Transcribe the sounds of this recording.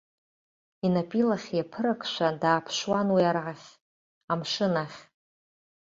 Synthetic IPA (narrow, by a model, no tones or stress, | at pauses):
inapʼilaχʲjapʰɨɾakʰʃʷadaːpʰʃwanwiarʕaχʲ | amʂɨnaχʲ